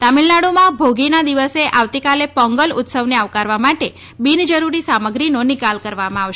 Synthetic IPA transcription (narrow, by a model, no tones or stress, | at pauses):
t̪amilnaɽomãbʱoɡinad̪iʋəseʔaʋt̪ikalepɔ̃ŋɡəlʊ̰t̪səʋneaʋkaɾʋamaʈe | bind͡ʒəɾuɾisaməɡɾinonɪkalkəɾʋamãaʋʃ